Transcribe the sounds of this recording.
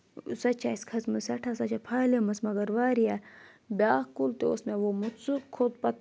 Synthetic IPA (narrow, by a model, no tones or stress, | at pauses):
sɐt͡ʃaːiskʰɐt͡smɨsɐʈʰasɐt͡ʃapʰaːlemɐsmɐɡɐɾʋaːɾija | bʲaːkult̪eo̰smeʋomut̪t͡sukʰːot̪pɐt̪̚